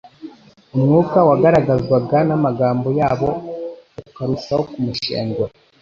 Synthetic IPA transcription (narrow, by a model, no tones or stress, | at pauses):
umŋuːkawaɡaɾaɡazɡwaɡanamaɡaːmbo̞jaːβo̞ | kaɾusahokumuʃḛːŋɡwa